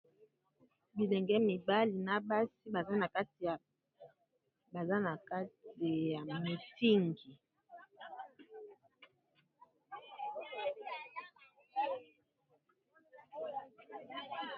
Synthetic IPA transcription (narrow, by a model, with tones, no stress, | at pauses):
bi˨lɛ˨ŋɡɛ˦mi˨ba˦li˨na˨ba˦si˦ba˨za˦na˨ka˦ti˨a˨ | ba˨za˦na˨ka˦ti˨ja˨me˨ti˦ŋɡi˨